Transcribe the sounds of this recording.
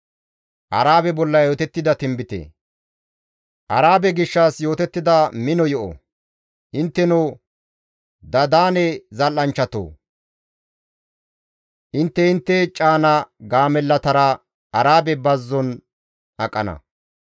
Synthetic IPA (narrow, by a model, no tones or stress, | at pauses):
ʔɐ̰ɾaːbɛbɔlːɐjoːt̪ɛt̪ːɪd̪ɐt̪ɪmbɪt̪ḛː | ʔɐɾaːbɛɡɪʃːasjo̞ːt̪ɛt̪ːɪd̪ɐmɪnɔjɔʔɔ̰ | ʔɪnt̪ːɛno | d̪ɐd̪aːnɛzɐlːɐnt͡ʃːɐt̪o̰ː | ʔɪnt̪ːɛɪnt̪ːɛt͡ʃʼaːnɐɡaːmɛlːɐt̪ɐɾɐ | ɐɾaːbɛbɐzːɔn | ʔɐkʼːɐnɐ̰